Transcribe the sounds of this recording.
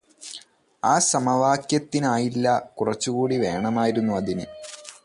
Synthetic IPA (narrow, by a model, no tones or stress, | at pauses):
aːsɐmɐʋaːkjɐt̪ːinaːjilːɐkurɐt͡ɕːukuːɽiʋe̞ːɳɐmaːjiɾunːuɐðinɨ